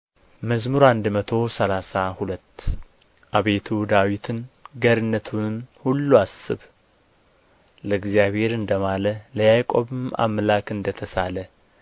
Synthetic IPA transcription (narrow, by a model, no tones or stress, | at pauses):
məzmuɾand̪mət̪ʰo̞səlasahulət̪ː | ʔaβe̞t̪ʰud̪awit̪ʰɨnɡəɾɨnːət̪ʰumhulːuasːɨβ | ləɨɡzijaβhe̞ɾɨnd̪əmalələjajkʼo̞βɨma̰mlakɨnd̪ət̪ʰəsalə